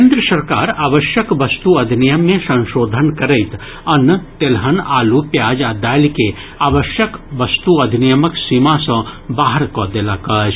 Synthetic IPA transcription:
keːnd̪ɾəsɐɾkaːɾaːʋəʃjəkʋɐst̪uɐd̪ʱinijəmːẽsɐ̃nʃoːd̪ʱənkɐɾəɪt̪ | ɐnːt̪elɦənaːlupjaːd͡ʒaːd̪aːlike | aːʋəʃjəkʋɐst̪uɐd̪ʱinijəməksimãsɐ̃baːɦəɾkɔd̪elakɐːd͡ʒ

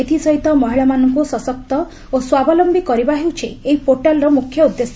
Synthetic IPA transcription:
et̪ʰisɔɦit̪ɔmɔɦiɭamanɔŋkusɔsɔk̚t̪ɔ | oswabɔlɔmbikɔɾibaɦewt͡ʃʰeeɦipoɾʈalɾɔmukʰjɔud̪jesɔ

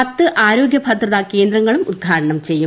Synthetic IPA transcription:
ɐt̪ːɨʔaːɾo̞ːɡjɐbʱɐt̪rɐðɐke̞ːnd̪ɾɐŋːɐɭumud̪̚d̪ʱaːɾɐɳɐmt͡ɕe̞jːu

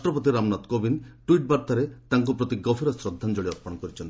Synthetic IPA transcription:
ʈɾɔpot̪̬iɾamnɔt̪kobinʈuiʈ̚baɾt̪aɾet̪aŋk̬upɾot̪iɡɔpʰiɾɔsɾod̪ʱːand͡ʒoɭiɔɾpɔñɔkɔɾit͡ʃʰɔnt̪i

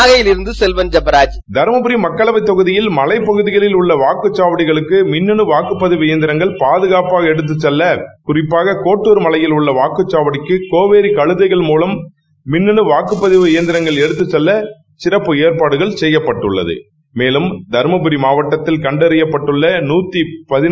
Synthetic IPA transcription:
aːɣɐjɪlɪɾɯnd̪ɯsɛlʋɐnd͡ʒɐbɐɾaːd͡ʒ | d̪ɐɾmɐbɯɾimɐkːɐɭɐʋɐɪt̪ːɔɣɯðɪjɪlmɐlɐɪpːɐɣɯðɪɣɐɭɪlʊɭːɐʋaːkɯt͡ʃːaːʋɐɽɪɣɐɭɯkːɯmɪnːɯɳɯʋaːkɯpːɐðɪʋɪjɐnd̪ɪɾɐŋɡɐɭpaːðɯɣaːpaːɣɐɛɽɯt̪̬ːɯt͡ʃːɛlːɐkʊrɪpːaːɣɐkoːʈːuːɾmɐlɐjɪlʊɭːɐʋaːkɯt͡ʃːaːʋɐɽɪkːɯkoːʋeːɾikɐɻɯðɐɪɣɐɭmuːlɐmː | ɪnːɯɳɯʋaːkɯpːɐðɪʋɯɪjɐnd̪ɪɾɐŋɡɐɭɛɽɯt̪ːɯt͡ʃːɛlːɐ | sɪrɐpːɯeːɾpaːɽɯɣɐɭsɛjːɐpːɐʈːɯɭːɐ̰ðɯ̰ | meːlɯmd̪ɐɾmɐbɯɾimaːʋɐʈːɐt̪ːɪlkɐɳɖɐɾɪjɐpːɐʈːɯɭːɐnuːt̪ːipɐðɪn

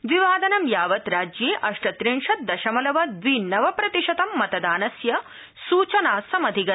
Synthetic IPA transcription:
ʋiʋaːd̪ɐnɐmjaːʋɐt̪ɾaːd͡ʒjeːʔɐʂʈɐt̪ɾiɳʂɐt̪̚d̪ɐʃɐmɐlɐʋɐd̪ʋinɐʋɐpɾɐt̪iʂɐt̪ɐmːɐt̪ɐd̪aːnɐsjɐ | suːt͡ʃɐnaːsɐmɐd̪ʱiɡɐ

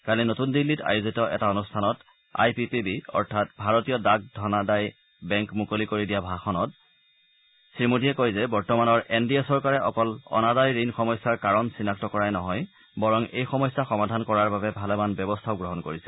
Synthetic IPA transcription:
kalinotundilːita̰juzitɔʔɛ̰taonustʰanɔt | a̰jpipibiɔ̰ɹtʰatbʱaɹotijɔdak̚dʱɔnadaj | bɛŋkmukolikoɹidijabʱaxɔnɔt | sɹimodiɛkojzɛbɔɹtɔmanɔɹɛndiasɔɹkaɹɛʔɔkɔlɔ̰nadajɹinxɔmɔjsaɹkaɹɔnsinak̚tɔkɔɹajnɔɦɔj | bɔɹɔŋejxɔmɔjsaxɔmadʱankɔɹaɹbabɛbʱalɛmanbɔbɔstʰaʊɡɹɔɦɔnkoɹisɛ̥

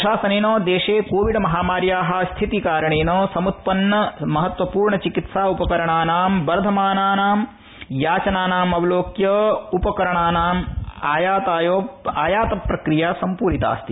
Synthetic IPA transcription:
ʃaːsɐneːnoːd̪eːʂeːkoːʋiɖmɐɦaːmaːɾjaːɦɐ̆st̪ʰit̪ikaːɾɐɳeːnoːsɐmut̪̚pɐnːɐmɐɦɐt̪ʋɐpuːɾɳɐt͡ʃikit̪saːupɐkɐɾɐɳaːnaːmbɐɾd̪ʱɐmaːnaːnaːm | jaːt͡ʃɐnaːnaːmɐʋɐloːkjɐupɐkɐɾɐɳaːnaːmaːjaːt̪aːjoːaːjaːt̪ɐpɾɐkɾijaːsɐmpuːɾit̪a̰ːst̪i

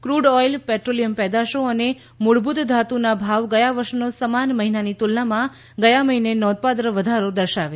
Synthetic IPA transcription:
kɾuɖɔjlpɛʈɾolijəmpɛd̪aʃoəne | muɭbut̪d̪ʱat̪unabʱaʋɡəjaʋəɾʃnosəmanməɦinanit̪ulnamã | ɡəjaməɦinenɔ̃d̪̚pat̪̬ɾəʋəd̪ʱaɾod̪əɾʃaʋe

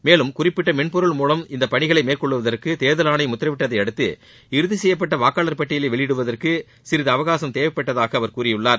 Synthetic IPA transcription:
meːlɯmkʊrɪpːɪʈːɐmɛɳpɔɾɯɭmuːlɐmɪnd̪ɐpɐɳɪɣɐɭɐɪmeːrkɔɭːɯʋɐðɐrkɯt̪eːðɐlaːnɐɪmʊt̪ːrɐʋɪʈːɐðɐɪɐɽɯt̪ːɯ̰ | ɪɾɯðɯsɛjːɐp̬ːɐʈːɐʋaːkaːlɐɾpɐʈːɪjɪleːʋɛɭɪjɪɽɯʋɐðɐrkɯ | sɪɾɪðɐːʋɐɣaːsɐmt̪eːʋɐpːɐʈːɐðaːɣɐːʋɐɾkuːrɪjɯɭːaːɾ

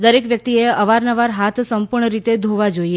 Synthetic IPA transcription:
d̪əɾekʋjək̚t̪ieəʋaɾnəʋaɾɦat̪ʰsəmpuɾɳəɾit̪ed̪ʱoʋad͡ʒoie

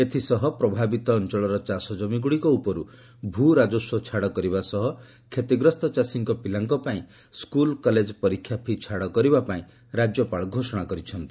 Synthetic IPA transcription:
et̪ʰisɔɦɔpɾɔbʱabit̪ɔːnt͡ʃɔɭɔɾɔt͡ʃasɔd͡ʒɔmiɡuɽikɔupɔɾu | bʱuɾad͡ʒɔsɔt͡ʃʰaɽɔkɔɾibasɔɦɔ | kʰet̪iɡɾɔst̪ɔt͡ʃasiŋkɔpilaŋkɔpaĩ | skulkɔled͡ʒɔpɔɾikʰːjapʰit͡ʃʰaɽɔkɔɾibapaĩ | ɾad͡ʒjɔpaɭɔɡʱosɔɽ̃akɔɾit͡ʃʰɔnt̪i̥

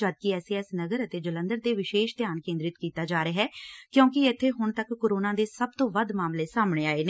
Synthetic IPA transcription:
əd̪̚kɪɛːseːɛːsnəɡəɾət̪eːd͡ʒələ̃nd̪əɾt̪eːʋɪʃeːʃt̪ɪjaːnkẽːnd̪ɾɪt̪kiːt̪aːd͡ʒaːɾeɦɛːkjõːkɪɪt̪ʰːeːɦʊɳt̪əkːoːɾoːnãːd̪eːsəb̚t̪õːʋəd̪maːmleːsaːmɳ̃eːaːeːne

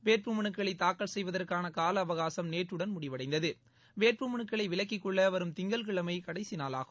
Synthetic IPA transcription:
ʋeːrpɯmɐɳɯkːɐɭɐɪt̪aːkːɐɭsɛjʋɐðɐrkaːnɐkaːlɐːʋɐɣaːsɐmneːʈrɯɽɐnmʊɽɪʋɐɽɐɪnd̪ɐðɯ | ʋeːrpɯmɐɳɯkːɐɭɐɪʋɪɭɐk̬ːɪkːɔɭːɐʋɐɾɯmt̪ɪŋɡɐlkɪɭɐmɐɪkɐɽɐɪsɪnaːla̰ːɣɯm

